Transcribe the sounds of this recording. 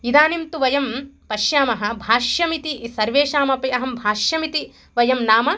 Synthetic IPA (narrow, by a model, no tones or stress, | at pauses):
id̪aːnimt̪uʋɐjɐmpɐʃjaːmɐɦɐ̆bʱaːʃjɐmit̪isɐɾʋeːʃaːmɐpiɐɦɐmbʱaːʃjɐmit̪i | ʋɐjɐmnaːmɐ